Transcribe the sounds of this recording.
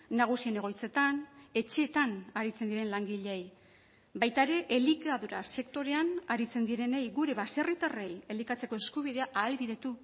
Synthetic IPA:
naɣ̞usie̞ne̞ɣo̞jt͡se̞t̪ane̞t͡ʃe̞ːt̪anaɾit͡se̞nd̪iɾe̞nlaŋɡiʎeej | bajt̪aeɾe̞ʔelikaðuɾa̰se̞kt̪o̞ɾe̞anaɾit͡se̞nd̪iɾe̞ne̞jɡuɾe̞βaserit̪are̞je̞likat͡se̞ko̞e̞skuβ̞iðe̞aʔaːlβiðe̞t̪u

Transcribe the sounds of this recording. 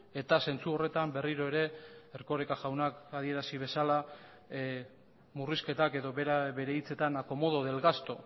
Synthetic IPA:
e̞t̪ase̞nt͡suo̞re̞t̪ambe̞riɾo̞e̞ɾe̞eɾko̞ɾekaʝawnakað̞ie̞ɾasiβ̞e̞sala | muriske̞t̪ake̞ðoβe̞ɾaβe̞ɾe̞it͡se̞t̪anako̞mo̞ð̞o̞ðe̞lɣast̪o̞

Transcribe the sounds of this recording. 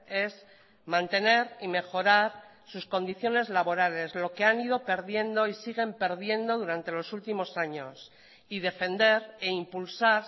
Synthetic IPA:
e̞z | mãnt̪e̞ne̞ɾime̞xo̞ɾaɾ | susko̞nd̪iθjo̞ne̞zlaβo̞ɾale̞zlo̞ke̞anið̞o̞pe̞ɾðje̞nd̪o̞isiɣ̞e̞mpe̞ɾðje̞nd̪o̞ðuɾant̪e̞lo̞sult̪imo̞saɲo̞s | iðe̞fe̞nd̪e̞ɾeimpulsaɾ

